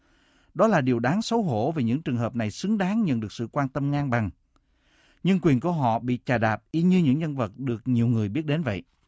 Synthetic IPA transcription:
ɗɔ˨˦laː˨˩ɗi˨˩əwɗaː˨˦ŋsə˨˦wɦo̰˧˥ve˨˩ɲɨ̰˧˥ŋt͡ɕɨ˨˩əŋɦəː˨˩p̚na˨˩jsɨ˨˦ŋɗaː˨˦ŋɲə̰˧˨nɗɨ˨˩ək̚sɨ̰˧˨kwaː˧nt̪ə˧mŋaː˧ŋɓa˨˩ŋ | ɲɨ˧ŋkwi˨˩ənku˧˩əɦɔ̰˧˨ɓḭ˧˨t͡ɕaː˨˩ɗaː˨˩p̚ʔi˧ɲɨ˧ɲɨ̰˧˥ŋɲə˧nvə˨˩t̚ɗɨ˨˩ək̚ɲi˨˩əwŋɨ˨˩əjɓi˦˥ət̚ɗe˨˦nvə̰˧˨jʔ

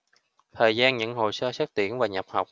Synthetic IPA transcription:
t̪ʰəː˨˩jzaː˧nɲɨ̰˧˥ŋɦo˨˩jsəː˧saː˦˥t̚t̪ḭ˧˩ənvaː˨˩ɲə˨˩p̚ha˨˩wk͡p̚

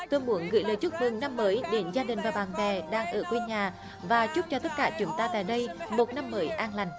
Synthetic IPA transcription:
t̪o˧jmu˨˦ənɣɨ̰˧˥jləː˨˩jt͡ɕu˦˥t̚mɨ˨˩ŋna˧mːəː˨˦jɗe˨˦nzaː˧ɗï˨˩ŋ̟vaː˨˩ɓaː˨˩nvɛ˨˩ɗaː˧ŋʔəː˧˩kwe˧ɲaː˨˩ | vaː˨˩t͡ɕʊ˦˥k͡p̚t͡ɕɔ˧t̪ə˦˥t̚kaː˧˩t͡ɕʊ˨˦ŋ͡mt̪aː˧t̪a̰ː˧˨jɗə˧jmo˨˩t̚na˧mːəː˨˦jʔaː˧nla˨˩jŋ̟

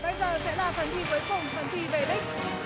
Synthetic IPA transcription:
ɓə˧jzəː˨˩sɛ̰˧˥laː˨˩fə˨˩nt̪ʰi˧vəː˨˦jfə˨˩wŋ͡mfə˨˩nt̪ʰi˧ve˧˩ɗi˦˥k̟̚

